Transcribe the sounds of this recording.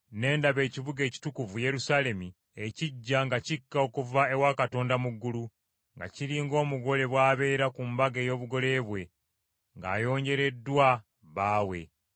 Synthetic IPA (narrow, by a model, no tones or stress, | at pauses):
ne̞ːndaβe̞ːciβuɡe̞ːci̥tukuvuje̞ɾusaːle̞mi | eciɟːaŋɡacikːao̞kuvae̞wakato̞ːndamuɡːulu | ŋɡa̰ciɾiːŋɡo̞ːmuɡo̞le̞βwaːβe̞ːɾakumbaɡe̞ːjo̞ːβuɡo̞le̞βwe̞ | ŋɡa̰ːjo̞ːɲɟe̞ɾe̞dːwa | βaːwe̞̰